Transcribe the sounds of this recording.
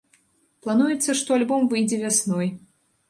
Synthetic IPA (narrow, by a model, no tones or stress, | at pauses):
plˠanujɛt̪sːɐʂt̪ɔalʲbɔmvɨjd͡zʲɛvʲasnɔj